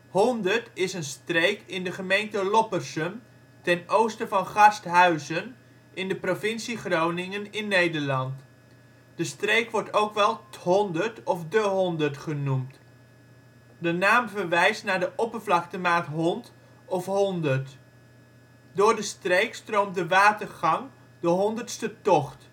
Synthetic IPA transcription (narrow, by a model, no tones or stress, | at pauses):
hɔndəɹtɪsənstrejkɪndəχəmejntəlɔpərsəm | tɛnowstəvɑnχɑstɦœɥzən | ʔɪndəprovɪnsiχrownɪŋənɪnːejdəɹlɑnt | d̥əstrejkʋɔɹtowkʋɛlˠɦɔndəɹtɔfdəɦɔndəɹtχənumt | dənaːmvəɹʋɛjstnaːɹdəʔɔpəɹvlɑktəmaːtɦɔnt | ɔfɦɔndərt | dʊːɹdəstrejkstrowmdəʋaːtərχɑŋ | dəɦɔndərtstətɔχt